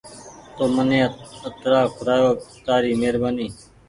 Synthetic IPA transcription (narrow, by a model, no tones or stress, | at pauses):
t̪oːmənẽːət̪ɾaːkʰʊɾaːjoːt̪aːɾiːmeːɾbaːniː